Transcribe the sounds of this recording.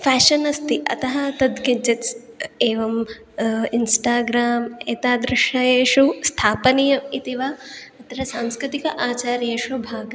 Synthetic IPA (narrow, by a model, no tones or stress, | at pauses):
fʰaːʃɐnɐst̪iʔɐ̰t̪ɐɦɐt̪ɐd̪kiɲt͡ʃɐt̪s | eːʋɐm | insʈaːɡɾaːmeːt̪aːd̪ɾɪʂɐjeːʂust̪ʰaːpɐnijɐit̪iʋaɐt̪ɐɾɐsaːmskɾɪt̪ikɐʔaːt͡ʃaːɾjeːʂubʱaːɡɐ